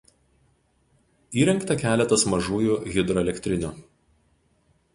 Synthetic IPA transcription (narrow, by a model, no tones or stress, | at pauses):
iːɾʲɛŋkt̪ɐkʲæːlʲɛt̪ɐsmɐʒuːjuːɣʲɪd̪ɾɔɛlʲɛkʲt̪ʲɾʲɪnʲuː